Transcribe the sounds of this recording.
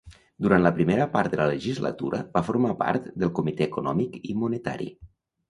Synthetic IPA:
d̪uɾant̪ləpɾimeɾəpaɾt̪̚d̪ələləʒizlə̰t̪uɾə̰bafuɾmapa̰ɾt̪d̪əlˠkumit̪ɛːkunɔmikimunət̪a̰ɾḭ

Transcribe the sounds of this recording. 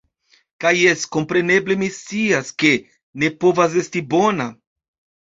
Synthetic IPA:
kaje̞sko̞mpɾe̞ne̞ble̞mist͡siaske̞ | ne̞po̞vas̬e̞stibo̞na

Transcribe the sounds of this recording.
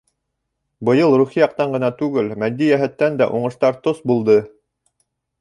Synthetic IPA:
bɤ̆jɤlˠɾuχijɑq̚t̪ɑɴɢɤ̆nɑt̪ʉɡɘlmæd̪ːijæɦæt̪ːænd̪æʔuɴɤ̆ʃt̪ɑɾt̪osbulˠd̪ɤ

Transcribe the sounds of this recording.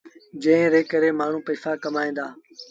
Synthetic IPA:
d͡ʒə̃ɪ̃ɾeːkəɾeːmaːɳ̤ũːpəːfaːkəmaːĩːd̪aː

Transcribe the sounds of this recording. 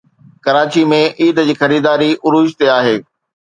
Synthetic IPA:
kɐɾaːt͡ɕimẽʔiːd̪d͡ʑiːxɐɾiːd̪aːɾiʔʊɾuːd͡ʑt̪eaːɦeː

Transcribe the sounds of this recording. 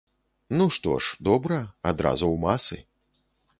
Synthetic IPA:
nuʂt̪ɔ̰ʂd̪ɔbɾɐad̪ɾa̰zuwmasɨ̰

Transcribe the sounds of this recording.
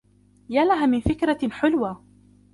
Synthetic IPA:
jaːlaɦaːmɪnfɪkɾaħʊlwaː

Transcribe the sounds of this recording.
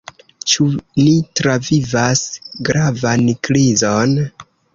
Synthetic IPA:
t͡ʃunitɾavivasɡɾavankɾizon

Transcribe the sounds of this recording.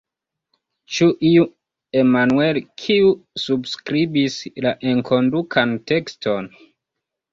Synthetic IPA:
t͡ʃuʔiu | e̞manue̞lkʰiusubskɾibislaʔe̞ŋkʰo̞ndukʰante̞ksto̞n

